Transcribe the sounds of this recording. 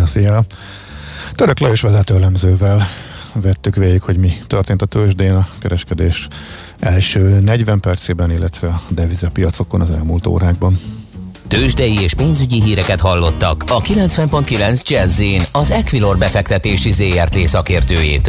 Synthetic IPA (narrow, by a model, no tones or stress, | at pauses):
sia | t̪øɾøkløeːʃʋɛzɛt̪øɛlɛmzøːvɛl | vɛt̪ːykʋeːɟikho̞ɟmit̪ørt̪eːnt̪ɒt̪øːʒd̪eːnɒkɛɾɛʃkɛd̪eːʃ | ɛlʃøːnɛɟʋɛmpɛrt̪seːbɛnilːɛt̪ʋɛɒd̪ɛvizɛpijɒt̪so̞konɒzɛ̰lmuːlt̪o̰ːɾaːɡ̚bɒnt̪øːʒd̪ɛjieːʃpeːnzyɟiɦiːɾɛkɛt̪ɦɒlːo̞t̪ːɒ̰kɒkilɛnt̪sʋɛmpo̞nt̪kilɛnzd͡ʒɛzeːnɒzɛkʋilo̞rbɛfɛkt̪ɛt̪eːʃizeːɛrt̪eːsɒkeːrt̪øːjḛːt̪